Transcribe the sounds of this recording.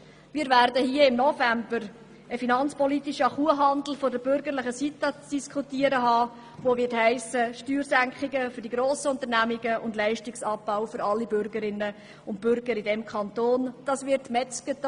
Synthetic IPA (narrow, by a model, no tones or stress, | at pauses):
miːɾvæɾdəhiəɪmnɔfæmbəɾ | əfinɑnt͡spɔlit̪iʃəɑχuəɦɑndl̩fodəbʏɾɡəɾlɪχəsitət͡sd̥iskχutiəɾəɦɑː | ʋovɪthæɪsəʃtyːɾsæŋkχɪɡəfʏɾdiɡɾoːsəʊnt̪əɾnæmɪɡəʊndlɛɪʃtɪksɑpːaʊfʏɾɑlːibʏɾɡəɾɪnːə | ʊnt̚b̥ʏɾɡ̥əɾidɛmkʰχɑnt̪oːnd̥ɑsvɪɾtmɛt͡skət